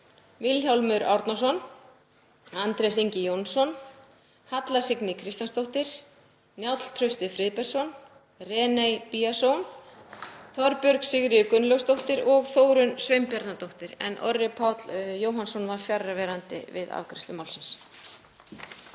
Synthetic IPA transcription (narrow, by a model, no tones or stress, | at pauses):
vɪlçawlmʏɾʔa̰wɾt̪nas̬ɔn | ant̪ɾɛsiɲcɪjownsɔn | hat̪lasɪknɪkʰɾɪst̪anst̪owht̪ɪɾ̥ | njawt̪l̥t̪ʰɾœst̪ɪfɾɪðpɛɾ̥sɔn | rɛːnejpiasown | θɔɾpœɾksɪɣɾɪʏkʏnlœwst̪owht̪ɪɾɔɣθoːwɾʏnsvejmpjaɾt̪nat̪owht̪ɪɾɛ̰nʔɔ̰rːɪpʰawt̪ljoːwɦansɔnvaɾ̥fjarːavɛːɾant̪ɪ̰vɪ̰ða̰vkɾɪst̪ʏmawlsɪns